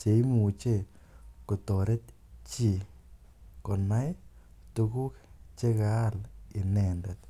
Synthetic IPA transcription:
t͡ʃe˨i˦mu˨t͡ʃe˦˨ | ko˨t̪ɔ˨ɾe˦t̪ | t͡ʃi˦˨ | kɔ˨na˦j | tu˧ku˦kt͡ʃe˦ka˦lɪ˨nɛ˨ndɛ˨t̪

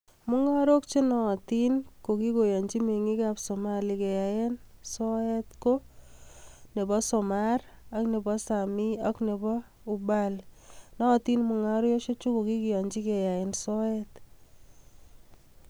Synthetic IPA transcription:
mu˦ŋa˦ɾo˦kt͡ʃe˦nɔ˨t̪i˦nko˨ki˦ko˨jɔ˨ɲd͡ʒi˦me˨ŋi˦kapso˨ma˦likɛ˨ja˨jensɔ˦ɛ˦tko˦ | ne˨bɔ˦sɔ˨mar | a˦kne˨bɔ˦sa˨mi˦a˦kne˨bɔ˦ | ubalnɔ˦˨ti˦nmu˨ŋa˦ɾjɔ˦ʃo˦t͡ʃu˦ko˨ki˦ki˨jɔ˨ɲd͡ʒi˦kɛ˨ja˨e˨nsɔ˦ɛt

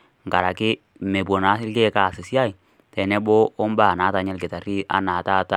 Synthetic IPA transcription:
ŋɡa˨ɾa˨ki˦ | me˨b̬o˨na˨˦si˦lke˦ka˦˨si˨sa˦˨i˨ | tɛ˨ne˦bo˦o˦mba˦˨na˨˦ta˨ɲɛ˦lɡi˨ta˨ɾi˦a̰˦na˨ta˦˨ta˦

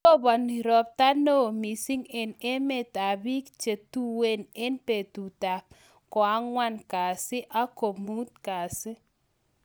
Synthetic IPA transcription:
ɔ˦bɔ˨ni˨ɾɔ˨p̚ta˦no˦mi˨si˦ŋɛ˨ne˦me˦˨ta˨bi˦kt͡ʃe˨tu˦we˦nɛ˦npe˨tu˨ta˨p̚ | kɔ˨a˦ŋwa˦nka˨sɪ˦ʔa˦ko˨mu˦t̪̚ka˨sɪ˦

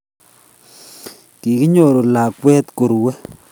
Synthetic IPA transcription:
ki˨ki˦ɲo˨ɾo˨la˨kwɛ˦t̪ko˨ɾwɛ˦

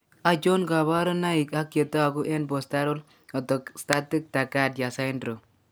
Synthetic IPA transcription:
a˨t͡ʃo˦nka˨βa˦ɾɔ˦na˦i˨ka˦kje˨tɔ˦a˨ku˦ʔɛ˦nbɔ˨sta˦ɾo˦l | ɔ˨tɔ˨ksta˦ti˦k̚ta˨ka˦tja˨sa˦ɪndɾo˨

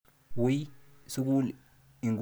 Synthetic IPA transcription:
wi˦su˦k̬u˦l | i˨ŋɡ

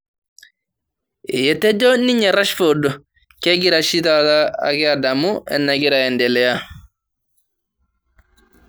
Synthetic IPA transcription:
ɛ˨jɛ˨t̪ɛ˦d͡ʒɔ˦ni˦ɲɛ˨ɾa˦ʃfodɔ˨ | ke˦ɡi˨ɾaʃi˦tata̰ː˦˨kɛa˨da˨mu˦ɛ̰˨nːa˨ɡi˦ɾaɛ˨ndɛ˨lɛ˨ja˦

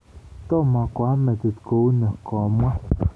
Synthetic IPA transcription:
t̪o˦ma˨kʷa˦me˨t̪et̪kouna˨komwa˦

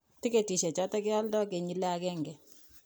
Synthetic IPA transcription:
tɪ˦ke˨ti˨ʃɛ˨t͡ʃɔ˦ta˦kɛ˦a˦ldɔ˦ke˨ɲi˦lɛ˦a˨kɛ˦ŋɡɛ˨

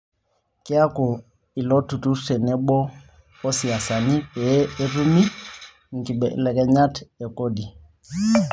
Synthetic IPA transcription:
kɪ˦a˦ko˨ | i˨lɔ˦tu˨tu˦sɛ˨nɛ˦ɓɔ˦ | ɔ˦si˨a˨sa˨ni˦pɛ˨˦e˦ru˦mi˦ | ŋ̩˨ki˨ɓɛ˨lɛ˨kɛ˨ɲa˦tɛ˨ko˦di˨

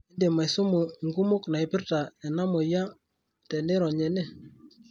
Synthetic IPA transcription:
i˦nde˨ma˨jsʊ˦mʊ˨ŋɡu˦mʊ˦kna˨ɪ˨pɪ˦rta˨ɛ˨na˦mo˨ja˦ | tɛ˨ne˦ɾɔ˨ɲɛ˨ne˦

